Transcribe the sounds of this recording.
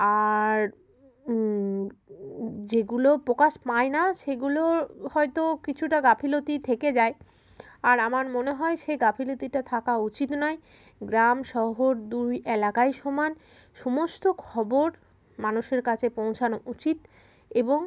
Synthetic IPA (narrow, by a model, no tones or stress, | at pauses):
aɾ | d͡ʑeɡulopɾokaʃpaenaʃeɡulohɔet̪okit͡ɕʰuʈaɡapʰilot̪it̪ʰeked͡ʑae | aɾamaɾmoneɦɔeʃeɡapʰilot̪iʈat̪ʰakaut͡ɕit̪nɔe | ɡɾamʃɔɦoɾd̪ujelakaeʃɔman | ʃɔmost̪okʰɔboɾ | manuʃeɾkat͡ɕʰepõw̃t͡ɕʰanout͡ɕit̪ | eboŋ